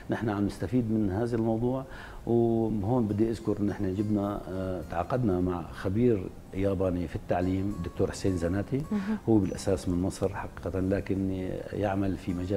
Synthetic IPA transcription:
nɪħnaʕamnɪst̪afiːd̪mɪnhaːðalmɑwd̪ˤuːʕ | wɦoːnbɪd̪ːiʔaðkʊɾʔɪnːʔɪħnad͡ʒɪbnat̪ʕɑ̰ːqɑd̪namaʕxabiːɾ | jaːbaːnifit̪ːaʕliːmd̪ːʊk̚t̪oːɾħʊ̥seːnzanaːt̪ihʊwːbɪlʔasaːsmɪnmɑsˤɾħɑqiːq̪alaːkɪnjɪʕmalfimad͡ʒaː

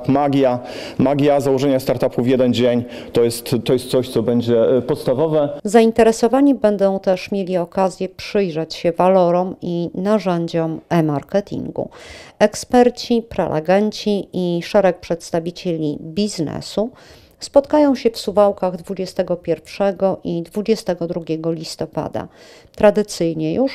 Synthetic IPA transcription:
maɡʲja | maɡʲjazawɔʐɛɲast̪aɾt̪apuvʲjɛd̪ɛnd͡ʑeɲt̪ɔjɛst̪ːɔjɛst̪sɔɕt̪sɔbɛɲd͡ʑɛpɔt̪st̪avɔvɛzaint̪ɛɾɛsɔvaɲibɛnd̪ɔ̃w̃t̪ɛʂmʲjelʲiɔkazʲjɛpʂɘjʐat͡ɕɕɛvalɔɾɔminaʐɛɲd͡ʑɔmɛmaɾkɛt̪ʲʰḭŋɡṵɛkspɛɾt͡ɕipɾɛ̰lʔɛ̰ɡɛɲt͡ɕiiʂɛɾɛk̚pʂɛt̪st̪avʲit͡ɕelʲibʲiznɛ̰su | spɔt̪kajɔ̃w̃ɕɛfsuvawkaɣd̪vud͡ʑɛst̪ɛɡɔpʲjɛɾfʂɛɡɔʔid̪vud͡ʑɛst̪ɛɡɔd̪ɾuɡʲɛɡɔlʲist̪ɔpa̰d̪a̰ | t̪ɾad̪ɘt̪sɘjɲɛjuʂ

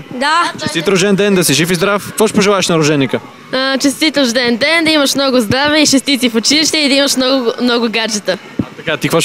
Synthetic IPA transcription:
d̪at͡ʃɛst̪it̪ɾoʒd̪ɛnd̪ɛnd̪ɐsiʒifizd̪ɾafkkvɔʃpoʒɛlˠaɛʃnɐɾʊʒɛnːikə | ət͡ʃɛst̪it̪ʒd̪ɛnd̪ɛnd̪ɐimɐʃmnɔɡʊzd̪ɾavɛiʃɛst̪it̪sifʊt͡ʃiliʃt̪ɛid̪ɐimɐʃmnɔɡmnɔɡʊɡaɾt͡ʃɛt̪ə | ɐkat̪ikvɔʃ

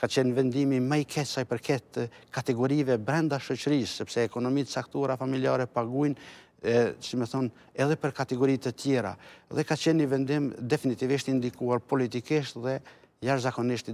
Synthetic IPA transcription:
kat͡ʃɛnvɛnd̪imimajkʰɛsajpəɾkɛt̪əkat̪ɛɡɔɾivɛbɾɛnd̪aʃɔt͡ʃəɾisːɛpsɛːkɔnɔmit̪sakt̪uaɾafamiliaɾɛpaɡujn | ɛsimɛθɔn | ɛðɛpəɾkat̪ɛɡɔɾit̪ət̪jɛɾa̰ðɛkat͡ʃɛnːivɛnd̪imd̪ɛfinit̪iviʃt̪ind̪ikuaɾpɔlit̪̬ikiʃt̪ðɛ | jaʃzakɔniʃt̪

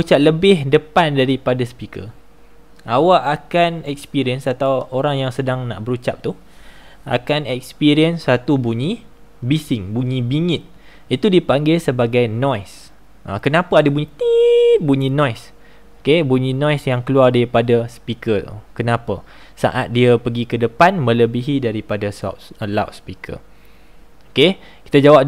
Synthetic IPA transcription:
ut͡ʃap̚ləbɪhdəpandaɾipadaspikə̰ | ʔawaʔakanɛk̚spiɾiənsat̪awoɾaŋjaŋsədaŋna̰ʔbəɾut͡ʃap̚t̪u | a̰kanɛkspiɾiənsːat̪ubuɲĩ | bisɪŋbuɲĩbiŋɪt̪̚ | it̪udipaŋɡɪlsəbaɡajnɔjs | ʔakənapəadəbuɲĩt̪ibuɲĩnɔjs | okebuɲĩnɔ̃jsjaŋkəluardaɾipadaspikəkənãpə | sa̰ʔat̪̚diəpəɡikədəpanmə̃ləbiɦidaɾipadasɔ̰tlawt̪̚spikʰə̰ | oke | kit̪ad͡ʒawap̚

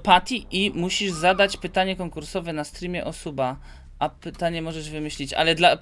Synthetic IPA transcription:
pat̪ʲiʔimuɕiʐzad̪at͡ɕpɘt̪aɲɛkɔŋkuɾsɔvɛnast̪ɾimʲjɛʔɔsuba | ʔapɘt̪aɲɛmɔʐɛʐvɘmɘɕlʲit͡ɕa̰lɛd̪la

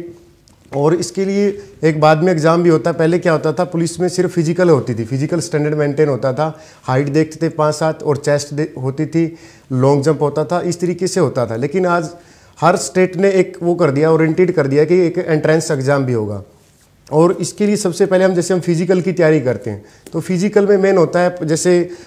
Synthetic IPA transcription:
ɔːɾɪskelieeːk̚baːd̪mẽɪkzaːmbʱiɦoːt̪aɛpɛɦlekjaɦoːt̪at̪ʰapʊlismẽsɪɾfːɪzɪkəlɦoːt̪it̪ʰipʰɪzɪkəlsʈɛ̃ːɳɖəɽɖmẽːɳʈeːnɦoːt̪at̪ʰa | haːɪʈd̪eːkʰt̪t̪ʰepãːt͡ʃsaːt̪ʰɔːɾt͡ʃeːsʈd̪eɦoːt̪it̪ʰi | lɔ̃ːŋɡd͡ʒɐ̃mpɦoːt̪at̪ʰaʔɪst̪ɐɾiːkeseɦoːt̪at̪ʰaleːkɪnaːd͡ʒ | hɐɾsʈeːʈneeːkʋokɐɾd̪ijaɔːɾɪ̃ɳʈɾiːɖkɐɾd̪ijaɦɛkieːkẽːɳʈɾɛ̃ːnsekzaːmbʱiɦoːɡa̰ː | ɔːɾɪskeliesɐbsepɛɦleɦɐmd͡ʒɛːseɦɐ̃mfʰɪzɪkəlkit̪ijaːɾikɐɾt̪eɦɛ̃ː | t̪ofʰɪzɪkəlmẽmeːnɦoːt̪aɦɛd͡ʒɛːse

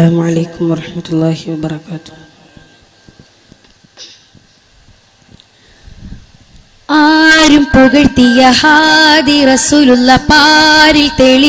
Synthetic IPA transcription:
aːmʕaleːkumwɐɾˤɑħmɐt̪ulːaːɦiwɐbɐɾˤɐkaːt̪u̥ | aːɾumpuɡɐɽt̪ijɐhaːd̪iɾɐsuːlulːɐpaːɾilt̪eːɭi

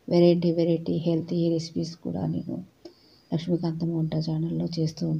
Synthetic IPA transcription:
ʋeɾeɳʈiʋeɾeʈiɦelt̪ʰiɾesi̥piskṵːɽa̰ːnḛːnṵ | lɐkʂmikɐnt̪ɐmoːɳʈɐd͡ʒaːnɐlːo̞ːt͡ʃe̞ːst̪und̪i

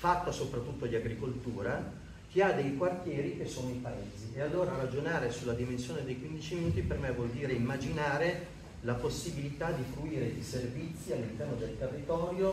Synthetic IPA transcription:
fat̪ːasopɾat̪ːut̪ːod̪iaɡɾikolt̪uːɾa | k̟iad̪ejkwart̪jɛːɾik̟esːoːnoipaeːziealːoːɾaɾad͡ʒonaːɾesulːad̪imensjoːned̪ejkwind̪it͡ʃiminuːt̪ipermevːwɔld̪iːɾeimːad͡ʒinaːɾe | laposːibilit̪ad̪ifɾuiːɾeiservit̪sːialːint̪ɛrnod̪elt̪erːit̪ɔːɾjo

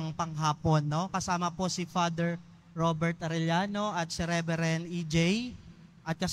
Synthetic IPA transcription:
ŋpɐŋɦaːpo̞nːo̞kɐsaːmɐpo̞sifad̪ɛɹ | ɾobɛɹt̪ɐɾɛljaːno̞ʔɐt̪̚siɾɛvɛɾɛnid͡ʒɛj | ʔɐt̪̚kɐs

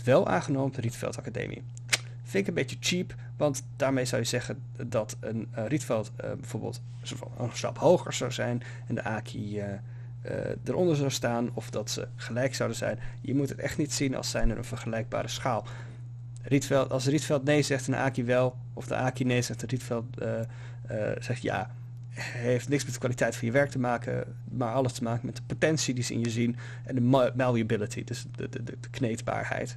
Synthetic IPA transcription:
ʋɛlˠa̰ːnχənowmdəritfɛ̰lˠtɑkadḛjmʔḭ | fɪnɪkənbejtət͡ʃip | ʋɑntdaːɹmejzʌwjəzɛχən | dɑtənritfɛlˠtbɛv̥oːɹbə̰lˠt | s | ə̰nsrɑ̰phowχəɹz̥awzɛjn | ɛndəʔaːkʰiə | ə̰dəɾʔɔndəɹzɑwstaːnɔfdɑtsə̰χəlɛjksɑwdənzɛ̰jnjəmutɦətɛ̰χtnitsinɑ̰lˠsɛjnəɾʔə̰nvəɹχəlɛjɡ̚ba̰ːɾəsχaːlˠ | ritfɛlˠtɑlˠsritfɛlˠtnejzɛχtənʔa̰ːkiʋɛlˠ | ʔɔfdə̰ʔaːkinejzɛχtənritfɛlˠtə | z̥ɛχtja̰ː | ɦejftnɪksmɛtdə̥kʋaːlitɛjtfɑnjəʋɛɹk̚təmaːkʰə̰ | maːɹɑləstəmaːkənmɛtdəpotɛnsidizəɪ̰njəzin | ʔɛndəmɛlˠiəbɪlətʰidəs | ədəknejtba̰ːɹhɛ̰jt

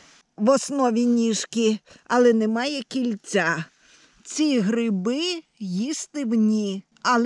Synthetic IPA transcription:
ʋɔsnɔʋʲinʲiʃkʲiɐlˠɛnɛmɑjɛkʲilʲt͡sʲa | t͡sʲiɦɾɪbɪjist̪ɪwnʲi | ɐlˠ

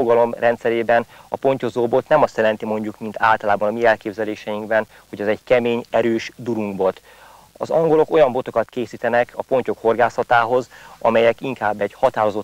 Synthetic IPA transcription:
oɡɒlo̞mrʔɛnt̪sɛɾeːbɛnɒpo̞ɲco̞zoːbot̪nɛmɒst̪jɛlɛn̪t̪imo̞ɲɟukmint̪a̰ːlt̪ɒlaːbɒnɒmiɛlkeːbzɛleːʃɛjiŋɡbɛn | hoɟɛzɛɟkɛmeːɲɛɾøːʃd̪uɾuŋɡbo̞t̪ | ɒ̰zɒŋɡo̞lo̞ko̞jɒmbo̞t̪o̞kɒt̪keːsiːt̪ɛnɛkʰɒpo̞ɲco̞kho̞rɡaːsɒt̪aːɦo̞zɒ̰mɛjɛkiŋkaːbːɛɟhɒt̪aːɾo̞zo̞

